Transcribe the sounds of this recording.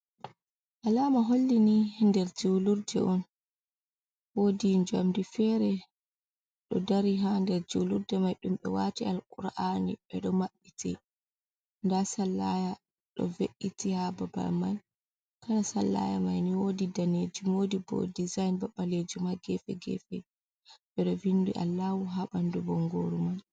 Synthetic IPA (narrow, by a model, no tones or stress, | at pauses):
ʔalaːmaɦolːinindɛɾd͡ʒuluɾdɛ̰ʔɔn | wodiɲd͡ʒamdifɛɾɛ | ɗɔdaɾiɦandɛɾd͡ʒuluɾdɛmajɗumɓɛ̰watialʔuɾʔanḭɓɛɗɔmaɓːitʰɛ̰ | ndasalːaja | ɗɔ̰veʔːitihababa̰lman | kanasalːa̰ja̰majniwodidaned͡ʒumodibɔ̰dizajnbaɓaled͡ʒumaɡɛfɛ̰ɡɛ̰fɛ̰ | ɓɛɗɔvindṵʔa̰lːawuɦaɓandubɔŋɡoɾuman